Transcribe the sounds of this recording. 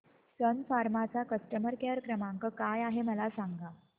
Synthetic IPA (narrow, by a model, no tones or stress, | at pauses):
sənfaɾmat͡sakəsʈəməɾkeəɾkɾəmaŋkəkajaɦeməlasaŋɡa